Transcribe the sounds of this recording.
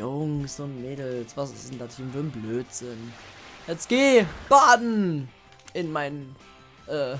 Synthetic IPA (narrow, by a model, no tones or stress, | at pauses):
ʊŋsʊntmeːdl̩sv̥asɪ̰sn̩datʰinvədn̩bløːtz̥ɪnjɛt͡sɡ̥eːb̥aːdn̩ | ɪnmaɪn | ʔɛː